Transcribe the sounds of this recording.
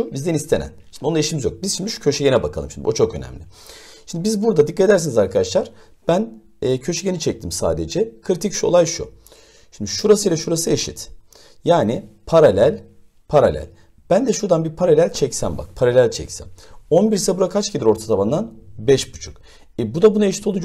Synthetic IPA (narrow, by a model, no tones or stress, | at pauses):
ubizd̪ɛnist̪ʰe̞næ̰nʃimd̪oaeʃimizjo̞k̚biz̥ʃimd̪yʃcʰø̞ʃɛɟe̞nɛbakʰalˠɯmʃimd̪ḭot͡ʃʰo̞kø̞næ̰mlʲɪʃimnd̪ibizbuɾd̪ad̪ikʰːat̪ed̪æɾsinizaɾkʰad̪aʃlˠaɾ̥ | b̥ænː | cʰø̞ʃɛɟe̞nit͡ʃʰɛc̚t̪ʰimsa̰ːd̪ed͡ʒɛkʰɯɾit̪ʰicʃo̞̰lˠajʃṵ | ʃimd̪iʃuɾasɯjlʲɛʃuɾasɯeʃit̪ | jaːnipʰaɾalʲælʲ | pʰaɾa̰lʲæ̰lʲ | b̥ænd̪ɛʃuɾd̪anbiɾpʰaɾalʲælʲt͡ʃʰɛcsæ̰mba̰k̚pʰaɾalʲælʲt͡ʃʰɛ̰csæ̰no̞nbiɾsabuɾakʰat͡ʃɟed̪ʲiɾo̞ɾt̪ʰat̪ʰaband̪anbɛʃbut͡ʃʰu̥k | ɛbud̪abunaeʃi̥t̪ʰo̞lˠud͡ʒ